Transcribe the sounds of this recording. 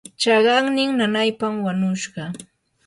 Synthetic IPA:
t͡ʃɑɢɑŋnɪŋnanajpamwaɲʊʃɢɑ

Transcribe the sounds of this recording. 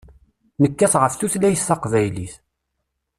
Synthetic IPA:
nəkːæθʁəfθuθlæjəsːɑqvæjliθ

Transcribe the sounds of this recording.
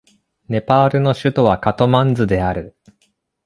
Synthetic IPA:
ne̞paːɾɯ̟no̞ɕɨt̪o̞β̞akat̪o̞mãnd͡zɨd̪e̞aɾɯ̟

